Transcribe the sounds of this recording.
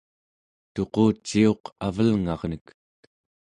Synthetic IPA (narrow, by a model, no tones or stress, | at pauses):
t̪o̞qoːt͡ʃːio̞qavəlŋɑʁnək